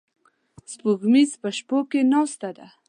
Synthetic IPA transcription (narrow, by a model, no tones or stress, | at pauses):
spuɣmizpəʃpokenɑst̪ad̪a